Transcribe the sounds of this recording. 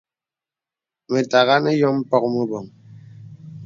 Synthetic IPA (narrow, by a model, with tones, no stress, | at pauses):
me˨ta˨ɣa˦ne˦jɔ˦m̩˦pɔ˦k̚mə˦bɔ˨ŋ